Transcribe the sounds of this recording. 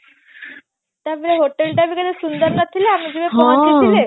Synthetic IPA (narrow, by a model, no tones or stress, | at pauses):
t̪jabeleɦoʈelʈabikəd̪esund̪əɾnat̪ʰileamid͡ʑiʋepɔ̃at̪itile